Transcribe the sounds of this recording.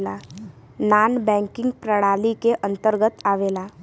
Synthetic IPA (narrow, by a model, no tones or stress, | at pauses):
laː | naːnbɛ̃ːŋkɪ̃ŋɡ̚pɾəɽaːlikeʔə̃nt̪əɾɡət̪aːʋeːlaː